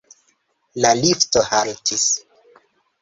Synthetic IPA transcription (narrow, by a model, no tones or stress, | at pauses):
laliftohaltʰis